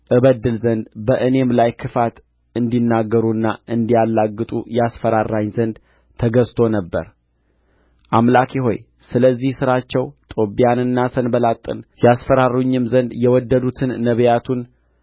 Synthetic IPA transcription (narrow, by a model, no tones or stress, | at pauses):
ʔɨβəd̪ːɨlzənd̪bəʔɨne̞mlajkʰɨfat̪ | ɨnd̪inːaɡːəɾuɨnːaʔɨnd̪ijalːaɡːɨt̪ʼṵjɛasfəɾarːaɲzənd̪ | t̪ʰəɡəst̪ʰo̞nəbːə̰ɾ | ʔamlakʰeɦo̞̰j | sɨləzːihsɨɾat͡ʃːɛwt̪ʼo̞bijanɨnːasənbəlat̪ʼːɨ̰njasfəɾaruɲːɪmzənd̪jɛwɔd̪ːəd̪ut̪ʰɨnːəβjat̪ʰun